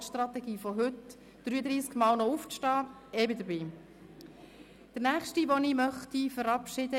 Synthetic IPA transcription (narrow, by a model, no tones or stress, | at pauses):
ʃt̪rɑt̪ɛɡiːfɔɦɵt | d̥ɾyːədɾiːskmɑːlnɔuftɑː | ɛbədəbiː | d̥əɾnæːχʃtiʋɔnimœχtifəɾɑpʃɪdə